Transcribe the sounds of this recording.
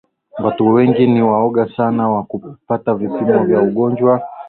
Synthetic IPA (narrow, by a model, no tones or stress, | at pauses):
watuwɛŋɡiniwaɔɠasanawakupatavipimɔvjauɠɔnd͡ʒwa